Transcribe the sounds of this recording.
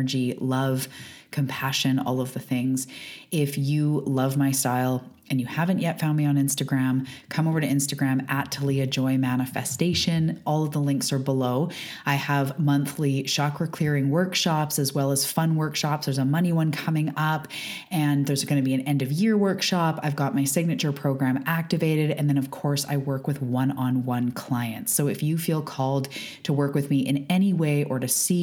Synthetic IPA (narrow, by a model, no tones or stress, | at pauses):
ə˞d͡ʒilʌv̥kʰɨ̃mpʰæʃɨ̃nɔ̰lˠʌvðɨθɪ̃ŋzɪfjɨlʌvmaɪstaɪlˠ | ʔɨ̃njɨhævɨ̃nʔjɛtfãʊ̃ndmiə̃nɪ̃nstɨɡɹæ̃mkʰʌ̃moʊvə˞ɾɨɪ̃nstɨɡɹæ̃mætʰəlˠiɨd͡ʒɔɪ̃mænɨfɨ̰steɪʃɨ̃nʔɔlˠʌvðəlɪ̃ŋksə˞bəloʊ | aɪəvmʌ̃nθliʃɑkɹɨkʰl̥ɪɹɪ̃ŋwɜ˞kʃɑpsɨzwɛlˠəz̥fʌ̃nwɜ˞kʃɑpsðə˞zəmʌniwʌ̃nkʰʌmɪ̃ŋʌp | ɨ̃nðə˞zɡʌñɨbiɨ̃nɛ̃ndʌvjɪɹwɜ˞kʃɑpaɪvɡɑt̚maɪsɪɡ̚nɨt͡ʃə˞pʰɹ̥oʊɡɹæ̃mæk̚tɨveɪɾɨɾɨ̃nðɨ̃ñʌv̥kʰɔɹsa̰ɪwɜ˞kwɨðwʌ̃nə̃nwʌ̃nkʰl̥aɪɨ̰̃ntsoʊɨfjɨfilˠkʰɔlˠd | tʰəwɜ˞kwɨðmiʔɨ̰̃nɛñiweɪʔə˞ɾɨsi